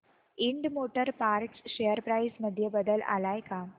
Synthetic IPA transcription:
iɳɖmoʈəɾpaɾksɕejəɾpɾajsməd̪ʱːjəbəd̪əla̰lajka

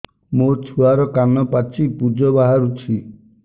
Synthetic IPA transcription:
mot͡ʃʰuaɾɔkanɔpat͡ʃʰipud͡ʒɔbaɦaɾut͡ʃʰi

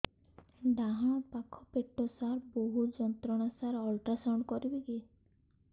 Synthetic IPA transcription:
ɖãɦɔɽ̃ɔpakʰɔpeʈːɔsaɾboɦud͡ʒɔnt̪ɾɔɽ̃asaɾɔlʈasawɳkɔɾibeɡe

